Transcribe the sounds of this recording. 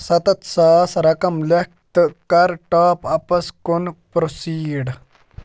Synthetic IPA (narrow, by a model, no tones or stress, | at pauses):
sɐt̪ɐt̪saːsɾɐkɐmlek̚t̪ɨkɐɾʈaːpɐpɐskunpɾosiːɖ